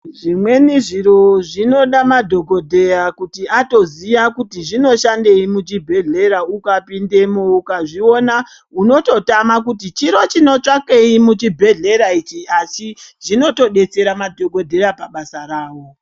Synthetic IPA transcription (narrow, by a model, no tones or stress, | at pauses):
ʐimwe̞niʐiɾo̞ʐino̞ɗamadʱo̞ko̞dʱe̞jakutiato̞ziʋakutiʐino̞ʃande̞imut͡ʃibʱe̞ɮe̞ɾaukapinde̞moukaʐio̞na | uno̞to̞tamak̬utit͡ʃiɾo̞t͡ʃino̞t͡ʂake̞imut͡ʃibʱe̞ɮe̞ɾait͡ʃiasiʐ̥ino̞to̞ɗe̞t͡se̞ɾamadʱo̞ko̞dʱe̞ɾapaɓasaɾaːwo̞